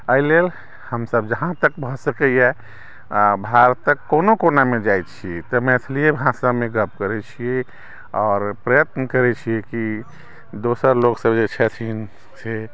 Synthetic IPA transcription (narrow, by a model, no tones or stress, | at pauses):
əilel | həmsəb̚d͡ʒəɦãt̪əkbʱɔsəkəjɛ | bʱaɾt̪əkːonokonamed͡ʒajt͡ʃʰit̪ɔmɛt̪ʰlijebʱãsamẽɡəp̚kəɾɛt͡ʃʰie | ɔːɾpɾəjət̪nəkəɾɛt͡ʃʰiɛki | d̪osəɾloksəbd͡ʒet͡ʃʰɛt̪ʰin | se